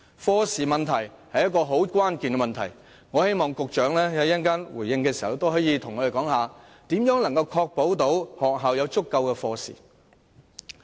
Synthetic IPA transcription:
fɔː˧siː˨mɐ˨nt̪ʰɐ˨˩j | hɐ˨jːɐ˥kːɔː˧ɦo˨˥wkʷwaː˥nkiː˨nɡɛ˧m˨nt̪ʰɐ̰˨˩j | ŋɔː˨˧he˥jmɔː˨ŋkʊ˨k̚t͡ʃœː˨˥ŋlɛː˥jɐ˨˥jɐ˥nkaː˥nwuː˨˩jːɪ˧ŋkɛː˧siː˨hɐ˨wt̪o˥wɦɔː˨˥jiː˨˧t̪ʰʊ˨˩ŋːɔː˨˧e˨˩kɔː˨˥ŋɦaː˨ | t̪iː˨˥mjœː˨˥ŋlɐ˨˩ŋkɐ˧wkʰɔː˧k̚po˨˥wt̪o˨˥whɔː˨k̚ɦaː˨wjɐ˨˧wt͡sʊ˥kːɐ˧wkɛː˧fɔː˧sḭː˨˩

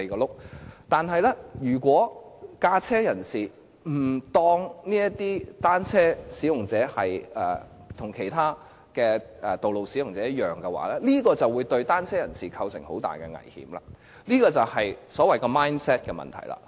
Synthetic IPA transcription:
kɔː˧lʊ˥k̚t̪aː˨nɦɐ˨jlɛ˥jyː˨˩kʷɔː˨˥kaː˧t͡sʰɛː˥jɐ˨˩nsiː˨ | m̩˨˩t̪ɔː˥ŋniː˥jɐ˥t̪iː˥t̪aː˥nt͡sʰɛː˥siː˨˥jʊ˨˩ŋt͡sɛː˨˥hɐ˨jɛː˨˩ | t̪ʰʊ˨˩ŋkʰe˨˩jt̪ʰaː˥ | kɛː˧ɛ˨t̪o˨wlo˨wsiː˨˥jʊ˨˩ŋt͡sɛː˨˥jɐ˥jœː˨ŋkɛ˧wa̰ː˨˥lɛ˥liː˥kɔː˧t͡sɐ˨wuː˨˧jt̪ɵ˧ɥt̪aː˥nt͡sʰɛː˥jɐ˨˩nsiː˨kʰɐ˧wsɪ˨˩ŋho˨˥wt̪a̰ː˨jkɛ̰˧ŋɐ̰˨˩jhḭ˨˥mla̰ː˧ | liː˥kɔː˧t͡sɐ˨whɐ˨jsɔː˨˥wɐ˨jkɔː˧maː˥jnsɛː˥t̚kɛː˧mɐ̰˨nt̪ʰɐ̰˨˩jla̰ː˧

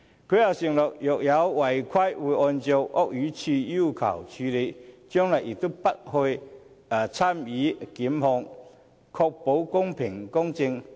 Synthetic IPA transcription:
kʰe˦˥˦a˧wɕi˧ŋlɔ˨k̚jɔ˨k̚ja˨˦wwa˨˩jkʰwa˥jwu˧ʔɔ˧nt͡ɕjo˧wʔɔ˥k̚yː˨˦t͡ɕʰi˧ju˥˩˧kʰa̰˨˩wt͡ɕʰy˧le˧t͡ɕjɔ˥ŋla˨˩ji˨˩t̪o˥˩pa˦˥t̚ho˧j | a˨˩t͡sʰa˥˩mi˨˦ki˨˦mhɔ˧ŋ | kʰɔ˧k̚po˨˥wkʊ˥ŋpʰi˨˩ŋkɔ˥ŋt͡ɕi˧ŋ

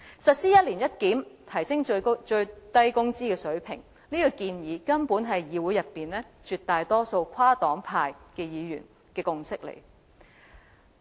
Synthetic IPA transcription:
sɐ˨t̚siː˥jɐ˥t̚li˨˩njɐ˥t̚kiː˨˥mt̪ʰɐ˨˩jsɪ˥ŋt͡ʃɵ˧ɥt̪ɐ˥jkʊ˥ŋt͡siː˥kɛː˧sɵ˨˥ɥpʰɪ˨˩ŋ | niː˥ku˧kiː˧njiː˨˥kɐ˥npuː˨˥nɦɐ˨jjiː˨˧wuː˨˥jɐ˨pːiː˨nlɛː˥t͡ʃyː˨t̚t̪aː˨jt̪ɔː˥so˧wkʷʰwaː˥t̪ɔː˨˥ŋpʰaː˧jkɛː˧jiː˨˧jy̰ː˨˩n | kɛː˧kʊ˧ŋsɪ˥k̚lḛ˨˩j

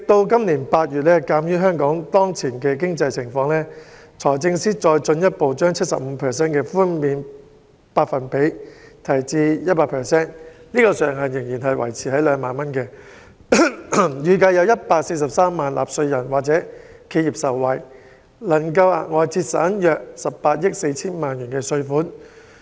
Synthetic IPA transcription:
ɪ˨k̚t̪o˧wkɐ˥mliː˨˩npaː˧t̚jyː˨˩t̚lɛː˥kaː˨˥mjyː˥ɦœː˥ŋkɔː˨˥ŋt̪ɔː˥ŋt͡sʰiː˨˩nkɛː˧k̬ɪ˥ŋt͡sɐ˧jsʰɪ˨˩ŋfɔː˧ŋlɛː˥ | t͡sʰɔː˨˩jt͡sɪ˧ŋsiː˥t͡ʃɔː˧jt͡ʃɵ˧njɐ˥t̚po˨wt͡ʃœː˥ŋt͡sʰɐ˥t̚sɐ̰˨p̚m̩˨˧pʰɛː˨sɛː˥nkɛː˧fuː˥nmiː˨˧n | paː˧t̚fɐ˨˩npe˨˥jt̪ʰɐ˨˩jt͡siː˧jɐ˥t̚paː˧tpʰɛː˨˩sɛː˥nniː˥kɔː˧sœː˨˩ŋɦɐ˨njɪ˨˩ŋjiː˨˩nɦɐ˨jwɐ̰˨˩jt͡sʰiː˨˩hɐ˨˥jlœː˨˧ŋmaː˨nmɐ˥nkɛː˧ | jyː˨kɐ˧jɐ˨˧wjɐ˥t̚paː˧k̚se˧jsɐ˨p̚saː˥mːaː˨nlʔa̰ː˨p̚sɵ˧ɥjɐ˨˩nwaː˨k̚t͡sɛː˨˥ | kʰe˧jiː˨p̚sɐ˨˩wːɐ˨˩j | lɐ˨˩ŋkɐ˧wa̰˨ŋɔː˨˧jt͡sʰiː˧t̚sa̰ː˨˥njœː˧k̚sɐ˨p̚paː˧t̚jɪ˥k̚se˧jt͡sʰiː˥nmaː˨njyː˨˩nkɛː˧sɵ˧ɥfuː˨˥n

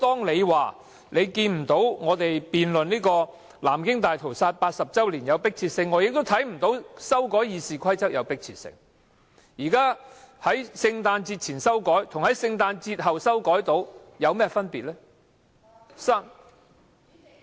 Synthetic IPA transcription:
t̪ɔː˥ŋle˨˧jwaː˨˩ | le˨˧jkiː˧nm̩˨˩t̪o˨˥wŋɔː˨˧t̪e˨jpiː˨nlɵ˨niː˥kɔː˧ | la̰ː˨˩mkɪ˥ŋt̪aː˨jt̪ʰo˨˩wsaː˧t̚paː˧t̚sɐ˨p̚t͡sɐ˥wliː˨˩njɐ˨˧wpɪ˥k̚t͡sʰiː˧t̚sɪ˧ŋːɔː˨˧jɪ˨k̚t̪o˥wt̪ʰɐ˨˥jm̩˨˩t̪o˨˥wsɐ˥wkɔː˨˥jiː˨˧siː˨kʰɐ˥jt͡sɐ˥k̚jɐ˨˧wpɪ˥k̚t͡sʰḭː˧˥t̚sɪ̰˧ŋ | jiː˨˩kaː˥hɐ˨˥jsɪ˧ŋt̪aː˧nt͡siː˧t̚t͡sʰiː˨˩nsɐ˥wkɔː˨˥jt̪ʰʊ˨ŋhɐ˨˥jsɪ˧ŋt̪aː˧nt͡siː˧t̚hɐ˨wsɐ˥wkɔː˨˥jt̪o˨˥w | jɐ˨˧wmɛː˥fɐ˥npiː˨t̚lɛː˥ | saː˥n

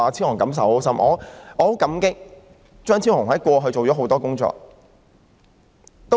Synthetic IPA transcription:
a˨˧t͡sʰi˥whʊ˨˩ŋkɐ˨˥ms̬ɐ˨˥wsɐ˥mʔɔː˨˧ɔː˨˧ho˨˥kɐ˨˥mkɪ˥k̚ | t͡ʃœː˥ŋt͡sʰi˥nhʊ˨˩ŋhɐ˨˥jkʷɔː˧ɦɵ˧ɥt͡ʃo˨wɔː˨˥ɦo˨˥wt̪ɔː˥kʊ˥ŋt͡ʃɔ̰ː˧k̚ | t̪o˥

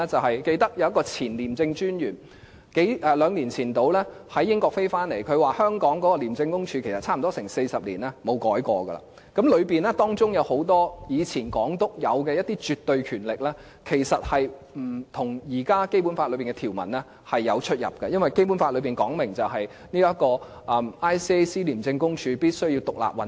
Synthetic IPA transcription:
t͡sɐ˨wɦɐ˨jke˧jt̪ɐ˥k̚jɐ˨˧wjɐ˥kːɔː˧t͡sʰiː˨˩nliː˨˩mt͡sɪ˧ŋt͡ʃyː˥njyː˨˩n | ke˨˥jɛː˨lœː˨˧ŋliː˨˩nt͡sʰiː˨˩nt̪o˨˧wlɛː˥hɐ˨˥jːɪ˥ŋkɔː˧k̚fe˥jfaː˥nle˨˩jkʰɵ˨˧ɥwaː˨˩hœː˥ŋkɔː˨˥ŋkɔː˨˥kɔː˧liː˨˩mt͡sɪ˧ŋkʊ˥ŋt͡ʃʰyː˧kʰjsɐ˨t̚t͡sʰaː˥m˨˩t̪ɔ˥sɪ˨˩ŋse˧jsɐ˨p̚liː˨˩nɛː˥mo˨˧wkɔː˨˥jkɔː˧ɡɐ̰˧la̰ː˧˩ | kɐ˨˥mlɵ˨˧ɥpiː˨˩nɛː˥t̪ɔː˥ŋt͡sʊ˥ŋjɐ˨˧who˨˥wt̪ɔː˥jiː˨˧t͡sʰiː˨˩nkɔː˨˥ŋt̪ʊ˥k̚jɐ˨˧wkɛ˧jɐ˥t̚t̪iː˥t͡ʃyː˨t̪ːɵ˧ɥkʰyː˨˩nlɪ˨k̚lɛː˥ | kʰe˨˩jsɐ˨t̚hɐ˨j | m̩˨˩t̪ʰʊ˨˩ŋjiː˨˩kaː˥ke˥jp̬u˨˥nfaː˧lɵ˨˧ɥpiː˨˩ŋkɛ˧t̪ʰi˨˩wmɐ̰˨˩nlɛ˥ | hɐ˨jːɐ˨˧wt͡ʃʰɵ˥t̚jɐ̰˨p̚kɐ˧jɐ˥nwɐ˨˩jke˥jpu˨˥nfa˧t̚lɵ˨˧ɥpiː˨nkɔː˨˥ŋmɪ˨˩ŋt͡sɐ˨wɦɐ˨j | niː˥ɐ˥kɔː˧ | ʔɐ˧maː˥jsiː˥e˥jsiː˥liː˨˩mt͡sɪ˧ŋkʊ˥ŋt͡ʃʰyː˧piː˥t̚sɵ˥ɥji˧wt̪ʊ˨k̚la̰ː˨p̚wɐ˨˥

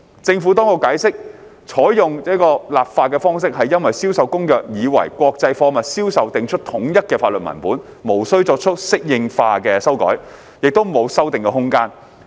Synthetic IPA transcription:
t͡sɪ˧ŋfu˨˥t̪ɔː˥ŋkʊ˧kaː˨˥jsɪ˥k̚ | t͡ʃʰɔː˨˥jjʊ˨ŋjɔː˥kɔː˧laː˨p̚faː˧kɛː˧fɔː˥ŋs̬ɪ˥k̚ɦɐ˨jːɐ˥nwɐ˨jsiː˥wsɐ˨˧wkʊ˥ŋjœː˨k̚jiː˨˧wɐ̰˨˩jkʷwɔː˧k̚t͡sɐ˧jfɔː˧mɐ˨t̚siː˥wsɐ˨wt̪ɪ˨ŋt͡ʃʰɵ˥t̚t̪ʰʊ˨˥ŋjɐ˥t̚kɛː˧faː˧lɵ˨t̚mɐ̰˨˩npuː˨˥n | mo˨˩wsɵ˥ɥt͡sɔː˧k̚t͡ʃʰɵ˥t̚sɪ˥k̚jɪ˨˧ŋfaː˧kɛː˧sɐ˥wkɔ̰ː˨˥j | jɪ˨k̚t̪o˥wmo˨˧wsɐ˥wt̪ɪ˨ŋkɛː˧ɦʊ˥ŋkaː˥n

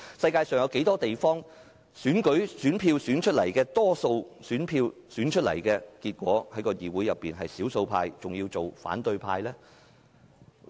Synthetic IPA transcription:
sɐ˧jkaː˧jsœː˨˩ŋjɐ˨˧wke˨˥jt̪ɔː˥t̪e˨jfɔː˥ŋ | syː˨˥nkɵ˨˥ɥsyː˨˥npʰiː˧wsyː˨˥nt͡ʃʰɵ˥t̚lɐ˨˩jkɛː˧t̪ɔː˥so˧wsyː˨˥npʰiː˧wsyː˨˥nt͡ʃʰɵ˥lɐ̰˨˩jkɛː˧kiː˧t̚kʷɔː˨˥hɐ˨˥jkɔː˧jiː˨wu˨˥jɐ˨pːiː˨nɦɐ˨jsiː˨˥wso˧wpʰa̰ː˧jt͡sʊ˨ŋjiː˧wt͡so˨wfa̰ː˨˥nt̪ɵ˧ɥpʰa̰ː˧jlɛː˥

